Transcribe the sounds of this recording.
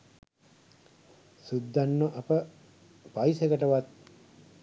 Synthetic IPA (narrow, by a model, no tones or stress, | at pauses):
sud̪ːanːoʔɐpə | paisekəʈəʋat̪̚